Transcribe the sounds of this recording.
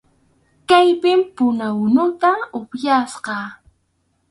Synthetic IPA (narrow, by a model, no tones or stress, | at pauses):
kajpɪmpʊnawʊnʊt̪aʊpjasqɑ